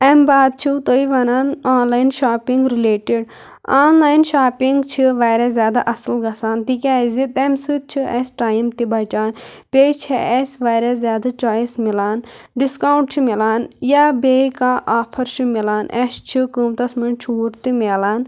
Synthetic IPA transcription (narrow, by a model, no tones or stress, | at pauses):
ɛmbaːd̪̚t͡ʃʰit̪oːiʋɐnaːnaːnlaːjnʃaːpiŋɡɾileːʈiɖ | aːnlaːjnʃaːpiŋɡt͡ʃʰiʋaːɾezʲjaːd̪aʔɐsɐlɡɐsaːnt̪ikʲaːzit̪emsɨt̪̚t͡ʃʰiɛsʈaːjmt̪ibɐt͡ʃaːnpeːjt͡ʃʰɛʔɛsʋaːɾezʲjaːd̪at͡ʃaːjismilaːn | ɖiskaːwɳʈ̚t͡ʃʰimilaːnjaːbekaʔaːpʰɐɾʃʰimilaːnʔest͡ʃʰikumt̪ɐsmɐnt͡ʃʰuːɾt̪imeːlaːn